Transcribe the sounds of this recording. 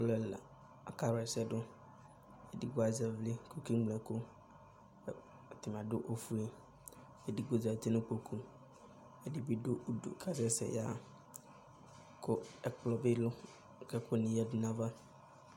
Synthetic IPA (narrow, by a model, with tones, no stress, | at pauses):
ʊ˦lɛ˨la̰˨ | a˨ka˦ɾa˨sɛ˦dʊ˦ | ɛ˨di˦ɡʊ˦a˨zɛ˨vli˦ko˨ki˦ŋ͡mlɛ˨kʊ˦˨ | t̪ɪ˨m˨ã˨dʊ˦ʔo˦fu˦e˦ | ɛ˨di˦ɡo˨za˨te˦nʊ̃˦k͡po˨kʰu˦ | ɛ˨di˦bi˦dʊ˦ʔu˦do̰˨kʰa˦s̬ɛ˦sɛ̰˨ja̰˦˨ | kʰʊ˦ɛ˨k͡plɔ˨bɪ˦lʊ˦˨ | kɛ˦kʊ˦nĩ˨jɛ˦dnã˦va˦